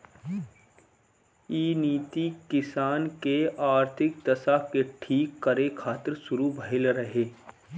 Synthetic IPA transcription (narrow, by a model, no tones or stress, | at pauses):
iːniːt̪ikɪsaːnkeaːɾt̪ʰɪk̚d̪ɐsakeʈʰiːkːəɾekʰaːt̪ɪɾsʊɾubʱəɦɪlɾəɦeː